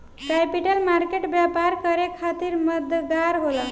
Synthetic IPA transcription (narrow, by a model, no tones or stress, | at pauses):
kapiʈəlmaɾkeʈbjapaɾkəɾekʰat̪iɾməd̪ʱɡaɾɦola